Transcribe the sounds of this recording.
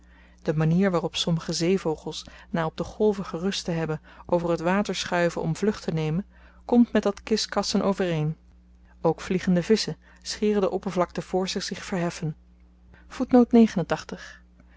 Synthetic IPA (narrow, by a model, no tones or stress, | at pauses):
d̥əmaniːɹʋaːrɔpsɔməχəzejvowχəlˠsnaːɔb̚dəχɔlˠvəχərɵstəɦɛbən | ʔowvərɦətʋaːtəɹsχœɥvənɔ̰mvlɵχtənejmən | kɔmtmɛtdɑtkɪskɑsənʔowvərejn | owkfliχəndəvɪsə | sχɪːrədəʔɔpəɹvlɑk̚təv̥ʊːɹzɪχz̥ɪχfəɹɦɛfən | v̥utnowtnejχənəntɑχtəχ